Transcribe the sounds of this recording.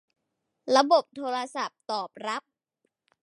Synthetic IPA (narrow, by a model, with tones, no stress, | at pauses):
ɾa˧bo˨˩p̚t̪ʰoː˧ɾa˧sa˨˩p̚t̪ɔː˨˩p̚ɾa˦˥p̚